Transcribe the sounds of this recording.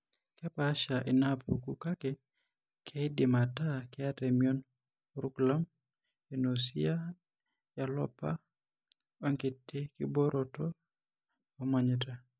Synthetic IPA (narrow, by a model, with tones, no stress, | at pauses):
kɛ˦pa˦ʃa˨ʔɪ˨napṵ˨ku˨ka˦kɪ˦ | kʰe˦dɪ˨mata˦kɪ˦a˦tɛ˨mio˦n | ɾukla˦m | e˨nosi˦a˦ | ja˨lɔ̰˦pa̰˦ | wa˦ŋkɪ˨tːe˦kɪ˦bo˦ɾʔɔtɔ˦ | ɔ˦ma˦ɲɪta˨